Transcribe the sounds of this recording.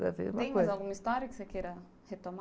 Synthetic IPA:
ɾa̰vḛɾũmẽj̃mzawɡũmɐist̪ɔɾjɐkɪ̥sekeɾɐ | het̪om

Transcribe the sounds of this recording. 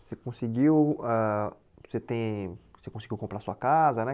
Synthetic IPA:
sekõsiɡiwɛ | set̪ẽj̃sekõsiɡiwkõpɾaɾsuɐkazɐnɛ

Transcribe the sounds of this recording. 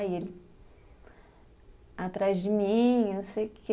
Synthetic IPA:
elɪ | at̪ɾazd͡ʒɪmĩsejkʰe

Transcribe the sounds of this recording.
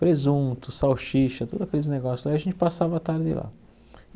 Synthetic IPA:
pɾezũt̪ʊsawʃiʃɐt̪od̪ʊɐkelɪzneɡɔsjʊzlajaɐʒẽnt͡ʃ̪ɪ̥pasavɐat̪aɾd̪ɪ̰la̰

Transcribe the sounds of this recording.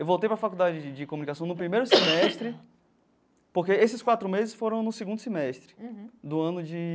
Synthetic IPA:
ewvowt̪ejpɾɐfakuwd̪ad͡ʒɪd͡ʒɪkomunikasɐ̃w̃nʊpɾimejɾʊsemɛst̪ɾɪ | poɾkeesɪskwat̪ɾʊmezɪsfoɾɐ̃w̃nʊsiɡũnd̪ʊsemɛʃt̪ɾɪ̥d̪ʊɐ̃nʊd͡ʒɪ

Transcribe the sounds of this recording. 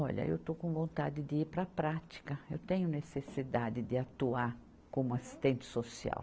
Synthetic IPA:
ɔʎɐ̰ḛwt̪okõw̃võnt̪ad̪ɪd̪ɪiɾpɾɐpɾat̪i̥kɐewt̪ẽɲʊnesesid̪ad̪ɪd̪ɪat̪uaɾ | kõũasi̥st̪ẽnt̪ɪ̥sosia̰w

